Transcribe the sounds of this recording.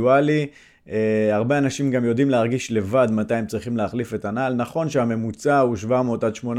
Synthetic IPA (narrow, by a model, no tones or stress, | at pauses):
uali | eaʁbe̞anaʃimɡamjo̞dimleaʁɡiʃle̞vadmat̪ajemt͡sʁiχimleaχlife̞tanaːlnaχo̞nʃeame̞mut͡sauʃvamotad̪ʃmo̞n